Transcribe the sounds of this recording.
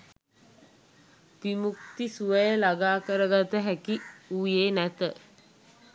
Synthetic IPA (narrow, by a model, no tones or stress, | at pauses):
pimukt̪isuəjəlaɡaːkəɾəɡat̪əɦækiuːjeːnæt̪ə